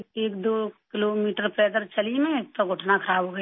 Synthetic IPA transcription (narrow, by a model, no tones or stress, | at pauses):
eːkd̪oːkɪloːmiːʈəɾpɛːd̪əɾt͡ʃɐlimẽeːk̚t̪oɡʱʊʈʰnakʰəɾaːbʱɦoɡə